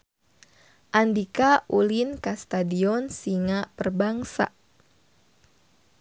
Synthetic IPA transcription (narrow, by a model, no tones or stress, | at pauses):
ʔandikaʔulinkast̪adiɔnsiŋapərbaŋsa̰